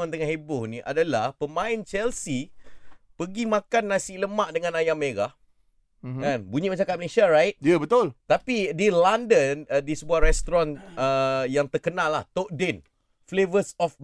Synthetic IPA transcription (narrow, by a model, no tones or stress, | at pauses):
ant̪əŋahɦebʊhniʔa̰dalahpəmãɪnt͡ʃɛlsi | pəɡimakanːasiləmaʔdəŋãnajameɾa | anbuɲimət͡ʃakat̪̚məleʃiaɾajt̚jəbət̪ʊlt̪apidilandəndisəbuahɾɛst̪ɾɔ̃nəjaŋt̪ərkənalːa̰ht̪oʔ̚dɛn | flevəsɔf